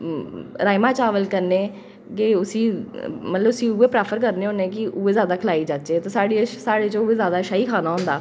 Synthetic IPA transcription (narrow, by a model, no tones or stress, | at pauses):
ɾaːɪmaːt͡ʃaːʋəlkəɾneː | kɪʊsiːmət̪ləbʊsĩːuːeːpɾɛːpʰəɾk̬əɾneːɦõːnẽːkɪʔʊeːzjaːd̪aːkʰəlaːiːd͡ʒaːt͡ʃeːt̪oːsaːɽesaːɽeːt͡ʃõːʊeːzjaːd̪aːʃaːiːkʰaːnaːɦʊ̃nd̪aː